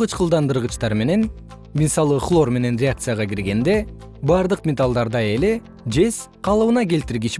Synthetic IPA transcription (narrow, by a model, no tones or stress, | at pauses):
ɯt͡ʃqɯlˠd̪ɑnd̪ɯɾʁɯt͡ʃt̪ɑɾme̞ne̞n | misɑlˠɯχlˠo̞rme̞ne̞nrʲeak̚t̪sɨjaʁɑɡiɾɡe̞nd̪e̞ | bɑɾd̪ɯqmʲet̪alˠd̪ɑɾd̪ɑe̞le̞ | d͡ʒe̞s | qʰɑlˠɯβɯnɑke̞lt̪iɾɡit͡ʃ